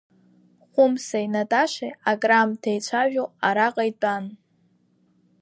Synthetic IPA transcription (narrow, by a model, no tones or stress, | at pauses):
χʷʊmsainatʼaʃʷeaɡʼramtʰejt͡ɕʷʰaʒᶣoaɾaqʼajtʼan